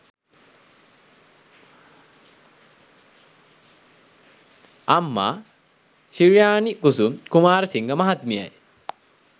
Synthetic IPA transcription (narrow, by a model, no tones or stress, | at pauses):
amːa̰ː | ʃiɻjaːnikusumkumaːɾɐsiŋɡəmaɦat̪mija̰j